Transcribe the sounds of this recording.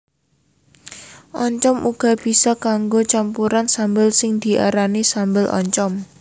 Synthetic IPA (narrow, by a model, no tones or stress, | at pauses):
ʔɔɲt͡ʃɔmʔuɡ̥a̤b̥i̤sɔkaŋɡot͡ʃampuɾansambəlsɪŋd̪̥i̤ʔa̰ɾanisambəlʔɔ̰ɲt͡ʃɔm